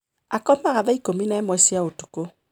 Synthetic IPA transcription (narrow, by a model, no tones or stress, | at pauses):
akɔmaɣaðaikominaɛmwɛsjaotu̥ko